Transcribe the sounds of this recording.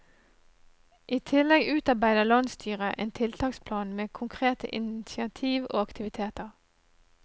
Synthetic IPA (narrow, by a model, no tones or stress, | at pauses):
ʔiːt̪ʰɪlɛɡʉːt̪ɑbæɪd̪əlɑnst̪ʰyːʁəʔḛːnt̪ʰɪlt̪ʰɑːkspʰlɑːnmeːkʰʊŋkʰʁeːt̪ʰə̰ʔɪ̰nɪsɪɑt̪ʰiːʋo̰ːɑkt̪ʰɪʋɪt̪ʰeːt̪əʁ